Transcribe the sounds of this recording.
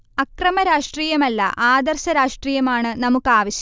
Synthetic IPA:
ɐkrɐmɐɾaːʂʈriːjɐmɐlːɐ̰ʔaːd̪ɐrɕɐɾaːʂʈriːjɐmaːɳɨnɐmukːaːʋɐɕɐ

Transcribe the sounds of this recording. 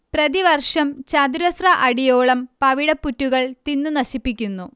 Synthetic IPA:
prɐðiʋɐrʂɐmt͡ɕɐd̪uɾɐsrɐʔɐɽijoːɭɐmpɐʋiɽɐpːutːuɣɐɭt̪inːunɐɕipːikʲːunːu

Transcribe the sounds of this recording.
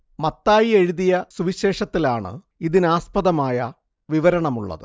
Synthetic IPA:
mɐt̪ːaːjie̞ɻiðijɐsuʋiɕe̞ːʂɐt̪ːilaːɳɨ̰ | iðinɨaːspɐðɐmaːjɐ | ʋiʋɐɾɐɳɐmuɭːɐ̰ðɨ̰

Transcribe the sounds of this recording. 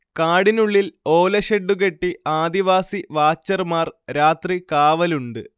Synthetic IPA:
kaːɽinuɭːilo̞ːlɐɕeɖːuk̬e̞ʈːiaːd̪iʋaːsiʋaːt͡ɕːɐrmaːrɾaːt̪rikaːʋɐluɳɖɨ

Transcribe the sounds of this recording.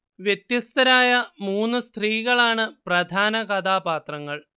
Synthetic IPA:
ʋjet̪jɐst̪ɐɾaːjɐmuːnːɨst̪riːɣɐɭaːɳɨprɐd̪ʱaːnɐkɐd̪ʱaːbaːt̪rɐŋːɐɭ

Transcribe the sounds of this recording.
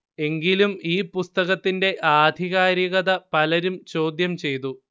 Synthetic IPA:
e̞ŋɡilumiːpust̪ɐɣɐt̪ːinde̞ʔaːd̪ʱiɣaːɾiɣɐðɐpɐlɐɾumt͡ɕo̞ːd̪jɐmt͡ɕe̞jt̪̬u

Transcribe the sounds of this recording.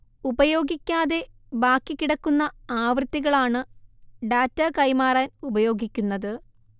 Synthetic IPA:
ubɐjo̞ːɡikʲːaːðe̞ | baːkːikiɽɐkːunːɐaːʋrɨt̪ːiɣɐɭaːɳɨɖaːtːɐkɐjmaːraːnubɐjo̞ːɡikʲːunːɐðɨ

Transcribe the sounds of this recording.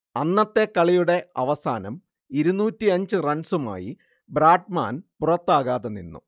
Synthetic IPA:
ɐnːɐt̪ːe̞kːɐɭijuɽe̞ɐ̰ʋɐsa̰ːnɐm | iɾunːuːtːiɐɲd͡ʑɨrɐɳsuma̰ːji | bɾaːɖma̰ːnpurɐt̪ːaːɣaːðenːḭnːṵ

